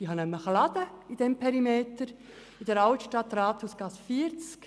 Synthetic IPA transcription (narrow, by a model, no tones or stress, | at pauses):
d̥iɦɑnɛmːəχɑlɑd̥̪əid̥̪ɛmpʰɛɾimeːt̪əɾ | ɪdəɾɑlt̪ʃtɑt̪ːɾɑːt̪husɡ̥ɑsfiəɾt͡sk